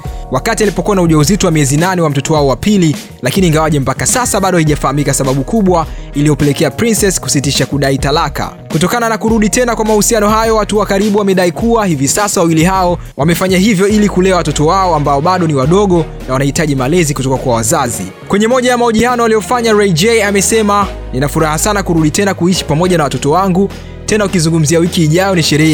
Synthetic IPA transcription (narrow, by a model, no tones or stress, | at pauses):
wakatialipɔkuwanauʄauzitɔwamiɛzinanɛwam̩tɔtɔwaɔwapili | lakiniːŋɡawaʄɛm̩pakasasaɓaɗɔhiʄafahamikasaɓaɓukuɓwailiɔpɛlɛkɛapɾinsɛsku̥sitiʃakuɗaitalaka̰ | kutɔkananakuɾuɗitɛnakwamahusianɔɦajɔwatuwakaɾiɓuwamɛɗaikuwahivisasawawiliɦaɔ | wamɛfaɲaɦivjɔilikulɛawatɔtɔwaɔambaɔɓaɗɔniwaɗɔɠɔ | nawanahitaʄimalɛzikutɔkakwawazazḭ | kwɛɲɛmɔʄajamaɔʄianɔalijɔfaɲaɾɛd͡ʒɛamɛsɛma | ninafuɾahasanakuɾuɗitɛnakuiʃi̥pamɔʄanawatɔtɔwaŋɡu | tɛnaukizuŋɡum̩ziawikiːʄajɔniʃɛɾɛa